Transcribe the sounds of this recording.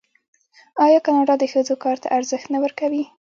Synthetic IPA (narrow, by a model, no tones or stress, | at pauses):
ɑjɑkɑnɑɖɑd̪əxəd͡zokɑɾt̪a̰ʔaɾzəxt̪nawəɾkawi